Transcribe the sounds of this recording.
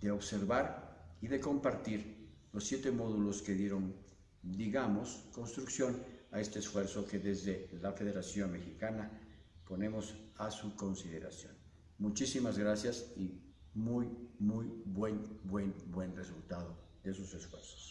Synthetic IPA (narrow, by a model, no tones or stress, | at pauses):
d̪e̞o̞βse̞ɾβaɾiðe̞ko̞mpaɾt̪iɾlo̞sːje̞t̪e̞mo̞ðulo̞skeðje̞ɾo̞n | d̪iɣamo̞skonst̪ɾuksjo̞nae̞st̪eːsfwe̞ɾso̞ke̞ðe̞zðelafe̞ðe̞ɾasjo̞nme̞xikanapo̞ne̞mo̞sasuko̞nsiðe̞ɾa̰sjon | mut͡ʃisimazɣɾasjasi | mujmujbwe̞nbwe̞nbwe̞nresult̪aðoðes̬ose̞sfwe̞̰ɾso̥s